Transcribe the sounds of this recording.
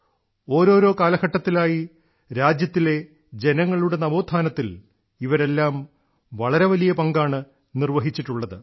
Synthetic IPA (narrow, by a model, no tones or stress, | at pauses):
o̞ːɾo̞ːɾo̞ːkaːlɐɡɐʈːɐt̪ːilaːji | ɾaːd͡ʑjɐt̪ːile̞ | d͡ʑe̞nɐŋːɐɭuɽe̞nɐʋo̞ːd̪ʱʰaːnɐt̪ːil | iʋɐɾe̞lːaːm | ʋɐɭɐɾeʋɐlijɐpɐŋɡaːɳɨ | nirʋɐɦit͡ɕːiʈːuɭːɐðɨ